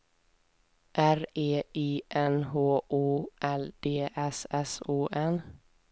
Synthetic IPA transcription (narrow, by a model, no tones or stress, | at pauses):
ʔæɾeːiːʔɛnɦoːʔuːʔɛld̪̥eːʔɛsɛsuːʔɛn